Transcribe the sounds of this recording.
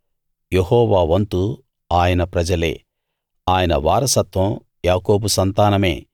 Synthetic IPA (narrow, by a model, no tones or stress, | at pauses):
jeɦɔːʋaːʋɐnt̪u | aːjɐnɐpɾɐd͡ʒɐle̞̰ː | aːjɐnɐ̰ʋaːɾɐsɐt̪ʋɐ̃m | jaːko̞ːbusɐnt̪aːnɐme̞̰ː